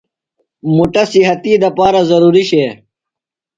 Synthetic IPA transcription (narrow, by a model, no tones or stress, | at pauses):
muʈɐsiɦɐt̪id̪ɐpaːɾazɐɾuːɾiɕeː